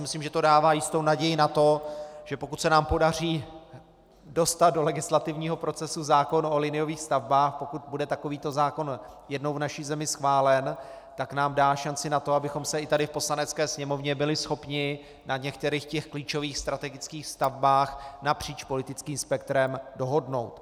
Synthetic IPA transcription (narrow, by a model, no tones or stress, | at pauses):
mɪsliːmʒɛt̪o̞daːvaːjɪst̪ownaɟɛjɪnat̪o̞ʒ̥ɛpo̞kut̪sɛnaːmpo̞dar̝iː | do̞st̪at̪̚do̞lɛɡɪslat̪ɪvɲiːɦopɾo̞t͡sɛsuzaːko̞nolɪnɪjo̞viːxst̪avbaːxpo̞kut̪̚budɛt̪ako̞viːt̪o̞zaːko̞n | jɛdnowvnaʃiːzɛmɪsxvaːlɛn | t̪aknaːmdaːʃant͡sɪnat̪o̞abɪxo̞msɛɪt̪adɪfpo̞slanɛt͡skɛːsɲɛmo̞vɲɛbɪlɪsxo̞pɲɪ | nʔaɲɛk̚t̪ɛɾixcɛxkliːt͡ʃo̞viːxst̪ɾat̪ɛɡɪt͡skiːxst̪avbaːxnapr̝̥iːt͡ʃpo̞lɪt̪ɪt͡skiːmspɛk̚t̪ɾɛmdo̞ɦo̞dno̞wt̪